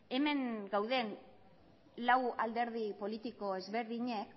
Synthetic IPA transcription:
e̞me̞ŋɡawðe̞n | lawald̪e̞ɾðipo̞lit̪iko̞ezβe̞ɾðiɲek

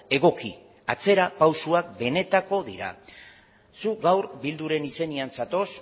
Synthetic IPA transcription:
e̞ɣ̞o̞ki | at͡se̞ɾapawsuak̚be̞ne̞t̪ako̞ðiɾa̰ | suk̚ɡawɾbild̪uɾe̞nise̞niansat̪o̞s

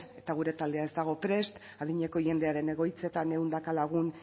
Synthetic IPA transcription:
e̞t̪aɣ̞uɾe̞t̪ald̪e̞ae̞zd̪aɣ̞o̞pɾe̞st̪ | aðiɲe̞ko̞ʝe̞nd̪e̞aɾe̞ne̞ɣo̞jt͡se̞t̪ane̞und̪akalaɣ̞un

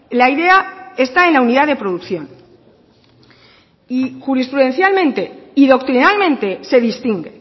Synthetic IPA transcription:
laiðe̞ae̞st̪ae̞nlauniðaðe̞pɾoðukθjo̞n | ixuɾispɾuðe̞nθjalmẽ̞nt̪e̞iðo̞kt̪ɾinalmẽ̞nt̪e̞se̞ðist̪iŋɡe

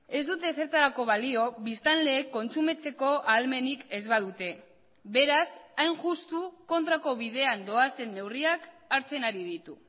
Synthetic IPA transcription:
e̞zd̪ut̪e̞se̞ɾt̪aɾako̞β̞alio̞βist̪anle̞ːkːo̞nt͡sume̞t͡se̞ko̞ʔalme̞nike̞zβað̞ut̪e̞ | βe̞ɾasajnʝust̪uko̞nt̪ɾako̞βið̞e̞and̪o̞ase̞nːe̞wriak | aɾt͡se̞naɾiðit̪u

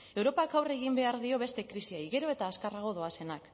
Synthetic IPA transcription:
e̞wɾo̞pakawre̞ɣ̞imbe̞aɾðio̞βe̞st̪e̞kɾisiajɣe̞ɾo̞e̞t̪aːskaraɣ̞o̞ðo̞ase̞nak

